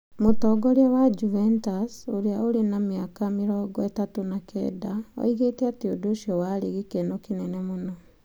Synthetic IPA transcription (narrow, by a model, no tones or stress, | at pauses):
motɔɡɔɾiawad͡ʒuvɛntasoɾiaoɾenamiakamiɾɔːɡɔetatonakʰɛ̰ːdao̰iɣetɛatiodoʃiɔwaɾiɣikenokinɛnemonɔ